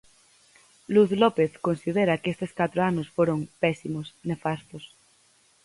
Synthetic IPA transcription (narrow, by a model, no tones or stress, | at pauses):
luθlopeθkonsið̞eɾakest̪eskat̪ɾoanosfoɾoŋpɛsimosne̞fast̪os